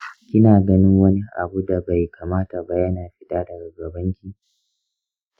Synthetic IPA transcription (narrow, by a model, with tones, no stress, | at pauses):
kʲɪ˦naː˨ɡɐ˦nɪ˦ŋwɐ˦ni˦ʔa̰˨bu˦da˨ba˨jkʰaː˨maː˦ta˨ba˦jɐ˦naː˨ɸɪ˦ɗaː˦dɐ˨ɡɐ˨ɡɐ˨bɐ˦ŋkʲi˦